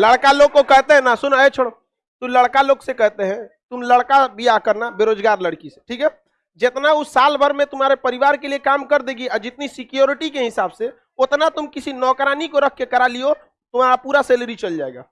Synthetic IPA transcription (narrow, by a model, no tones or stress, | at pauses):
lɐɽkaloːɡ̚kokɛɦt̪eɦɛ̃nasʊnəet͡ʃʰoɽo | t̪ʊmlɐɽkaloːɡsekɛɦt̪eɦɛ̃t̪ʊmləɽkabʱijakɐɾnabeːɾoːd͡ʒɡaːɾləɽkise̥ʈʰiːkɦɛː | d͡ʒɪt̪naʊsaːlbʱəɾmẽt̪ʊmaːɾepɐɾɪʋaːɾkeliekaːmkɐɾd̪eːɡiəd͡ʒɪt̪nisɪkijoːɾɪʈikeɦɪsaːbse | ot̪nat̪ʊmkɪsinɔːkɾaːnikoɾɐkʰkekɐɾalio | t̪ʊmaːɾapuːɾaseːləɾit͡ʃɐld͡ʒaːeɡa̰ː